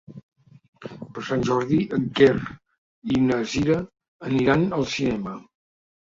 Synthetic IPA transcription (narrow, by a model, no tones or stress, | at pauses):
pəɾsanʲʒɔɾðiʔəŋker | inəziɾəː | niɾanəlˠsinɛmə